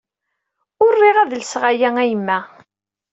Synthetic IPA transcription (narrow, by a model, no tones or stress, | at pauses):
ʊrːiʁæðlsʁæjæŋæjəmːæ